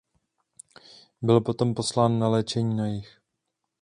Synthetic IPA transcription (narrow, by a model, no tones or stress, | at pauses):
bɪlpo̞t̪o̞mpo̞slaːnːalɛːt͡ʃɛɲiːnajɪx